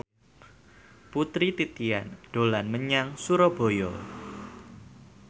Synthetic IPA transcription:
put̪ɾit̪it̪ia̰nɖ̥o̤lanməɲaŋsuɾɔb̥o̤jɔ

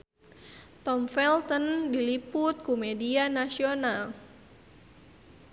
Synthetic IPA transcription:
t̪ɔmfɛlt̪ɔndilipʊt̪̚kumɛdianasional

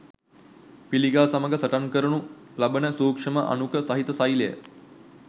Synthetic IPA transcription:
piliɡaːsaməɡəsəʈankəɾunu | labənəsuːkʂəməʔa̰nukəsaɦit̪əsajləjə̰

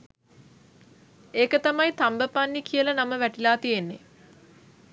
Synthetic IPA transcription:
eːkət̪amɐjt̪ambəpanːikʰijəlɐnaməʋæʈilaːt̪ijenːe

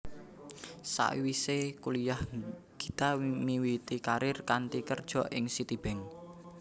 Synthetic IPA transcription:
sa̰ʔḭwisekulijah | ɡ̥i̥t̪amiwit̪ikaɾɪrkant̪ikərd̥ʒ̥ɔ̤ʔɪŋsit̪ib̥ɛ̤ŋ

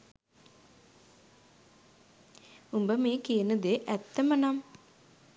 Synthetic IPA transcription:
umbəmeːkeːnəd̪eʔɛt̪ːɐmɐnam

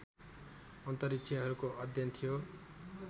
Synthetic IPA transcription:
ʌnt̪ʌɾikt͡sʰiʌɦʌɾukoʔʌd̪ʱjʌnt̪ʰijo

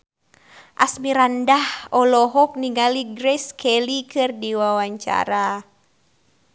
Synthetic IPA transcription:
ʔa̰smiɾandahɔlɔɦɔk̚niŋaliɡɾɛskʰɛlikʰɨrdiwawaɲt͡ʃa̰ɾa

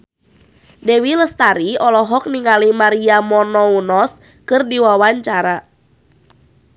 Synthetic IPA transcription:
dɛwiləst̪aɾiɔlɔɦɔk̚niŋalimaɾiamɔnɔunɔs | kɨrdiwawaɲt͡ʃaɾa

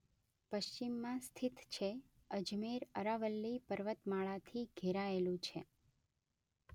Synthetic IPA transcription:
pəʃt͡ʃimːãst̪ʰit̪ʰt͡ʃʰeəd͡ʒmeɾəɾaʋəlːipəɾʋət̪maɭat̪ʰiɡʱeɾaelũt͡ʃʰe

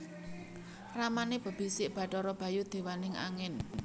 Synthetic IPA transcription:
ramaneb̥ə̤b̥i̤sɪʔb̥a̤ʈɔɾɔb̥ä̤jud̪̥e̤wanɪŋa̰ŋɪn

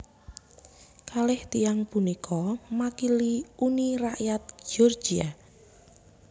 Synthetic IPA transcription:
kalɪht̪ijaŋpunikʰɔmakiliuniraʔjat̪̚d͡ʒʒ̥ɔr̥d͡ʒ̥ia

